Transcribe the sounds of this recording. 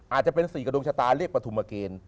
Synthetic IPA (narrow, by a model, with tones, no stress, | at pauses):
ʔaː˨˩t̪̚t͡ɕa˨˩pe˧nsiː˨˩˦ka˧do˧ŋt͡ɕʰa˧t̪aː˧ɾiː˥˩əkpɾa˧t̪ʰu˧mːa˧keː˧n